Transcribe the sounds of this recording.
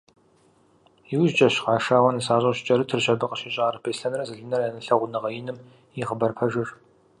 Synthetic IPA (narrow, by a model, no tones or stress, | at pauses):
jiwʒt͡ʃʼɐɕqɑːʃaːwɐnɨsaːɕʼɐɕt͡ʃʼɐɾɨtʰɨrɕɐbɐqʼəɕɪɕʼaːrɨpʰeːsɬɐnrɐzɨɮɨnɐrjaːnɐɬɐʁʷʊnɐʁɐjɪnɨm | iχəbɐrpʰɐʒɐɕ